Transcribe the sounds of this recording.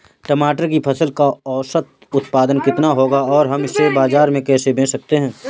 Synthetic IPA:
ʈəmaːʈəɾkipʰɐsəlkaɔːsət̪̚ | ʊt̪paːd̪ənkɪt̪naɦoːɡaɔːɾɦɐmɪsːebaːzaːɾmẽkɛːsebẽːsɐk̚t̪eɦɛ̃ː

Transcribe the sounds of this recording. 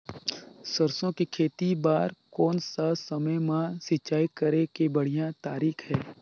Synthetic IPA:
səɾsõkikʰeːt̪ibaːɾkɔːnsasɐməjmãsɪt͡ʃːaːikəɾekebəɽ̤ijãt̪aːɾiːkʰɦɛː

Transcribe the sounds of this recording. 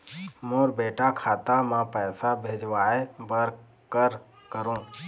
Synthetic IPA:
moːɾbeːʈakʰaːt̪amãpəːsabʱeːd͡ʒʋaːebəɾ | kəɾ | kəɾũː

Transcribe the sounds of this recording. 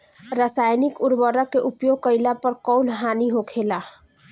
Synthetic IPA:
ɾasajnikuɾbəɾʌkːeʔupjoɡ̚kʌjlapəɾkɔwnɦaniɦokʰela

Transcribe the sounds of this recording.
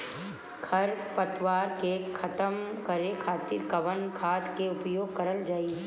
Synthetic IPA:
kʰɐɾpət̪waːɾkekʰɐt̪əmkəɾekʰaːt̪iːɾkɐʋənkʰaːt̪keʊpjoːɡ̚kɐɾəld͡ʒaːi

